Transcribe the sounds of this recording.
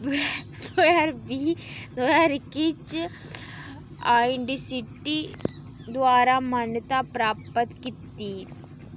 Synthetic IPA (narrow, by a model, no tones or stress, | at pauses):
d̪ojaɾbʱid̪ojaɾkit͡ʃ | aːɪɳɖisiʈi | d̪ʋaːɾamaːnjət̪apɾaːpət̪kit̪ːi